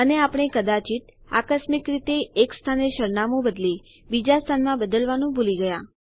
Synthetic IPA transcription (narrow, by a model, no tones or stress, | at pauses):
əneapɽ̃ekəd̪at͡ʃit̪a̰kəsmikɾit̪eːkst̪ʰaneʃəɾnamõbəd̪li | bid͡ʒast̪ʰanmãbəd̪əlʋanũbuliɡəja